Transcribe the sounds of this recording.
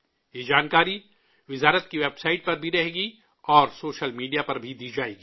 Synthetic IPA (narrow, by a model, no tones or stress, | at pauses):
jed͡ʒaːnkaːɾi | ʋɪzaːɾət̪̚kiʋeːbsaːɪʈ̚pɐɾbʱiɾɐɦeːɡi | ɔːɾsoːʃəlmiːɖijapɐɾbʱid̪iːd͡ʒaːeːɡiː